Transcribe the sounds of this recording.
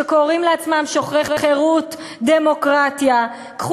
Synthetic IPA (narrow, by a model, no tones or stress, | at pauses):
ekoʁimleat͡smamʃoχʁeχeχeʁut̪ | d̪emo̞kʁat̪ja | kχ